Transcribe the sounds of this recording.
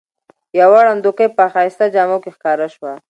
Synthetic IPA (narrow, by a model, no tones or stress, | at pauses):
jawɑɽand̪okəjpəxɑjst̪ad͡ʒɑmokexkɑɾaʃwa